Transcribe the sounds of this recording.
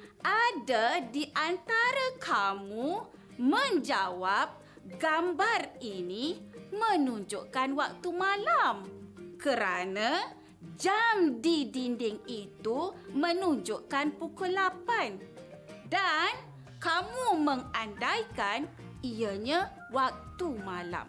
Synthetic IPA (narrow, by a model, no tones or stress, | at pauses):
ʔadadiʔant̪aɾakʰamu | mə̃ɲd͡ʒawap̚ | ɡambarinimə̃nuɲd͡ʒuʔkanwak̚t̪umalamkəɾana | d͡ʒamdidindɪŋit̪umə̃nuɲd͡ʒuʔkanpukulapan | dan | kamuməŋandajkan | ijəɲa | wak̚t̪umãla̰m